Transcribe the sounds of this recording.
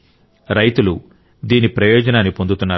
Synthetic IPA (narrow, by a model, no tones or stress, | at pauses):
ɾɐjt̪ulu | d̪iːnipɾɐjɔːd͡ʒɐnaːnːipond̪ut̪unːaː